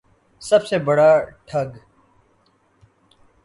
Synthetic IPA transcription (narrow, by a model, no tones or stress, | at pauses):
səbseːbəɽaːʈʰəɡ